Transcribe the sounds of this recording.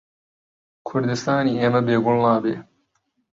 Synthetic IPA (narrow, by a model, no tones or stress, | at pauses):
kʰʊɾd̪ɪst̪aːniːeːmɐbeːɡʊllaːbeː